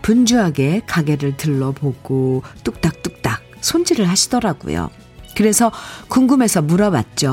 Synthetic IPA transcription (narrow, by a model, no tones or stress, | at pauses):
pund͡ʑuɦaɡe̞kaɡe̞ɾɯɭtɯɭːʌpoɡ̥ot͈uk̚t͈ak̚t͈uk̚t͈ak̚sʰond͡ʑiɾɯɭhaɕʰidʌɾaɡṵjo̰ | kɯɾe̞sʰʌkuŋɡɯme̞sʰʌmuɾawa̰t̚t͡ɕ͈o